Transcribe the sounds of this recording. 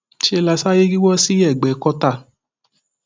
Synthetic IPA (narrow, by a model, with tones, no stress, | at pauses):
t͡ʃi˦e˧la˧sa˦je˦ɡi˦wɔ˦si˦ɛ˦˨ɡ͡bɛ˨˦kɔ˦ta˦˨